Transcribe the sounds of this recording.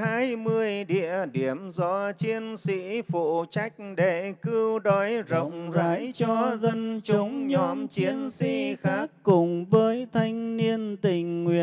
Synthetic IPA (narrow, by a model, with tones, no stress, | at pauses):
haː˧jmɨ˧əjɗḭ˧˨əɗi˨˧˩əmzɔ̰˧˥t͡ɕi˧ənsḭ˧˥fṵ˧˨t͡ɕa˦˥jk̚ɗe˧˩kɨ˧wɗɔ˨˦jzə̰˧˨wŋ͡mzaː˨˦jt͡ɕɔ˧zə˧nt͡ɕʊ˨˦ŋ͡mɲɔ˧mt͡ɕi˧ənsḭ˧˥xaː˦˥kkːʊ˨˩ŋ͡mvəː˨˦jt̪ʰa˧jŋ̟ni˧ənt̪ï˨˩ŋ̟ːwḭ˧˨ə